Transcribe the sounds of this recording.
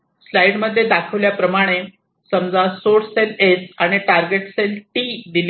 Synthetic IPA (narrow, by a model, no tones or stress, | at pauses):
slajɽməd̪ʱːjed̪akʰəʋljapɾəmaɽ̃e | səmd͡zasoɽselesaɽ̃iʈaɾɡeʈselʈid̪il